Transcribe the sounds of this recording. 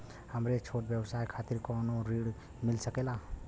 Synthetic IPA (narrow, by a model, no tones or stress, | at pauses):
həmɾet͡ʃʰoʈbjəbsajkʰat̪iɾkɔnoɾiɽ | milsəkela